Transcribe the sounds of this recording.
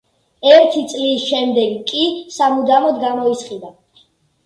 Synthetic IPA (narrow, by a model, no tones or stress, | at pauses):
ɛɾt̪ʰit̪sʼlisʃɛmd̪ɛɡkʼisamud̪amɔd̪ɡamɔit̪sχʼid̪a